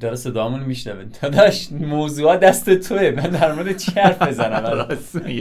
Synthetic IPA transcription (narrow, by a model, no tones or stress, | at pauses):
d̪ɒɾese̞d̪ɒːmunmiʃnævet̪ʰɒd̪ɒʃmoːzuːɒːd̪æst̪et̪ʰoemænd̪æɾmoɾed̪et͡ʃʰihæɾfezænæmæs